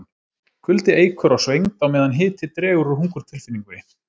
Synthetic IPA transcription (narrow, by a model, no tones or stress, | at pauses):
kʰʏlt̪ɪeːjkʰœɾawsvejŋt̪awmɛːðanɦɪːt̪ʰɪt̪ɾɛːɣʏɾʏɦuŋkʏɾ̥t̪ʰɪlfɪnːiŋkʏɪ